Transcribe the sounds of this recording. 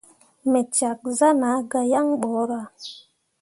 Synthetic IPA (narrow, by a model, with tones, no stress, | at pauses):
me˨t͡ʃa˨k̚za˦na˨˦ɡa˧ja˦ŋɓo˨˦ɾa˨